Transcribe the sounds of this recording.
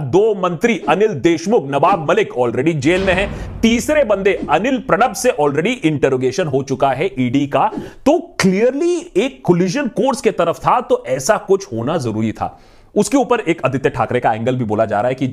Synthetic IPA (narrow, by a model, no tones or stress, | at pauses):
d̪oːmɐ̃nt̪ɾiɐnɪld̪eːʃmʊknɐbaːb̚mɐlɪkɔːlɾɛːɖid͡ʒeːlmẽɦɛ̃t̪iːsɾebɐ̃nd̪eɐnɪlpɾɐɽ̃əbseʔɔːlɾɛːɖiʔɪ̃ɳʈəɾoːɡeːʃənɦot͡ʃʊkaɦɛʔiːɖikat̪oːkliəɾlieːkːoliːʒənkoːɾsket̪ɐɾəft̪ʰat̪oʔɛːsakʊt͡ʃʰhoːnazɐɾṵːɾit̪ʰa̰ː | ʊskeuːpəɾeːkɐd̪ʱɪt̪jəʈʰaːkɾekaɛ̃ːŋɡəlbʱiboːlad͡ʒa̰ːɾaːɦɛki